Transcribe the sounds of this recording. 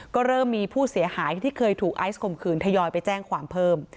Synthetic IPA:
kɔː˥˩ɾɤː˥˩mːiː˧pʰuː˥˩si˩˦ɐhaː˩˦jt̪ʰiː˥˩kʰɤː˧jt̪ʰuː˨˩k̚ʔa˦˥jskʰo˧˩mkʰɯː˧nt̪ʰa˧jɔː˧jpa˧jt͡ɕɛː˥˩ŋkʰwaː˩˦mpʰɤː˥˩m

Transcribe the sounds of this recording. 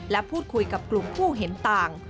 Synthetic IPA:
lɛ˦˥pʰuː˥˩t̪̚kʰu˧jka˨˩p̚klu˨˩mpʰuː˥˩ɦe˩˦nt̪aː˨˩ŋ

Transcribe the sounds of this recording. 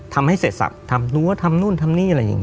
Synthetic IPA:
t̪ʰa˧mha˥˩jseː˨˩t̪̚sa̰˨˩p̚t̪ʰa˧mlu˦˥ɐ˥t̪ʰa˧mnuː˥˩nt̪ʰa˧mniː˥˩ʔa˧ɾa˧ja̰˨˩ŋ

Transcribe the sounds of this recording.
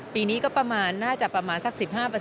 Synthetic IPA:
piː˧niː˦˥kɔː˥˩pɾa˧maː˧nːaː˥˩t͡ɕa˨˩pɾa˧maː˧nsa˦˥k̚si˨˩p̚haː˥˩pɤː˧

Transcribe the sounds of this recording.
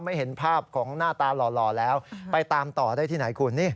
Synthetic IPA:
ma˥˩jɦe˩˦npʰaː˥˩p̚kʰɔː˩˦ŋnaː˥˩t̪aː˧lɔː˨˩lɔː˨˩lɛː˦˥wpa˧jt̪aː˧mt̪ɔː˨˩daː˥˩t̪ʰiː˥˩na˩˦jkʰu˧nːiː˥˩

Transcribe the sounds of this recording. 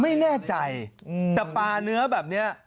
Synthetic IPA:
ma˥˩jnɛː˥˩t͡ɕa˧jsa˧˩paː˧nɯ˦˥ɐbɛː˨˩p̚ni˦˥ɐ

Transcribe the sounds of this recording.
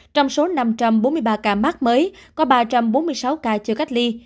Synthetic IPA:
t͡ɕɔ˧wŋ͡mso˨˦na˧mt͡ɕa˧mɓo˨˦nmɨ˧əjɓaː˧kaː˧˨˩maː˦˥k̚məː˨˦jkɔ˨˦ɓaː˧t͡ɕa˧mɓo˨˦nmɨ˧jsa˨˦wkaː˧˩t͡ɕɨ˧˩ka˦˥k̟̚li˧

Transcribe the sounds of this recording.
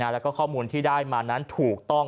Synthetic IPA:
aː˧lɛ˦˥wkɔː˥˩kʰɔː˥˩muː˧nt̪ʰiː˥˩daː˥˩jmaː˧na˦˥nt̪ʰuː˨˩k̚t̪ɔ˥˩ŋ

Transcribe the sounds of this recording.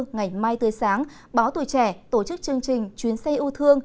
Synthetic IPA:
ŋa˨˩jmaː˧jt̪ɨː˨˦jsaː˨˦ŋ | ɓaː˨˦wt̪u˧˩˨jt͡ɕɛ˧˩t̪o˧˩t͡ɕɨ˦˥k̚t͡ɕɨ˧əŋt͡ɕï˨˩ŋ̟t͡ɕwi˨˦ənsa˧jʔu˧t̪ʰɨ˧əŋ

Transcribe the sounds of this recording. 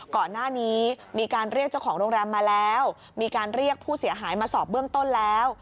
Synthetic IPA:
kɔː˨˩nːaː˥˩niː˦˥ | miː˧kaː˧nɾi˥˩ək̚t͡ɕa˥˩wkʰɔː˩˦ŋɾoː˧ŋɾɛː˧mːaː˧lɛː˦˥w | miː˧kaː˧nɾi˥˩ək̚pʰuː˥˩si˨˩˦əɦaː˩˦jmaː˧sɔː˨˩p̚bɯː˥˩əmt̪o˥˩nlɛː˦˥w

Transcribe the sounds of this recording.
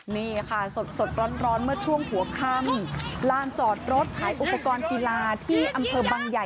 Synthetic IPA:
niː˥˩kʰa˥˩so˨˩t̪̚so˨˩t̪̚ɾɔː˦˥nɾɔː˦˥nmɯ˥˩ɐt͡ɕʰu˥˩əŋhu˩˦ɐkʰa˥˩mlaː˧˩nt͡ɕɔː˨˩t̪̚ɾo˦˥t̪̚hʰaː˩˦jʔu˨˩pːa˧kɔː˧nki˧laː˧t̪ʰiː˥˩ʔa˧mpʰɤː˧baː˧ŋja˨˩

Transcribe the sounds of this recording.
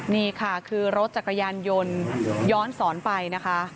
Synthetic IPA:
niː˥˩kʰa˥˩kʰɯː˧ɾo˦t̪̚t͡ɕa˨˩kʰːa˧jaː˧njo˧njɔː˦˥nsɔː˩˦npa˧jna˦˥kʰa˦˥ʔ

